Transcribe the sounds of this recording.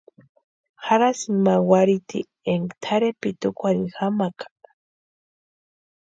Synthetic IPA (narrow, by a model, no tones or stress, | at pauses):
xaɾasimawaɾit̪ḭ | eŋɡt̪ʰaɾepit̪ukʷanixamakʰḁ